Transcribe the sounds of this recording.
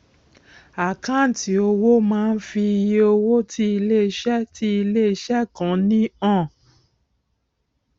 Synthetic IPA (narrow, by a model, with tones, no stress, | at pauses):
a˨kã˦˨n̩˨ti˨˦o˧wo˦mãː˦˧n̩˦fi˧i˧je˧o˧wo˦tʰi˦i˧le˦˧ʃɛ˦ti˦i˧le˦i˧ʃɛ˦kã˨˦nĩ˦ã˦˨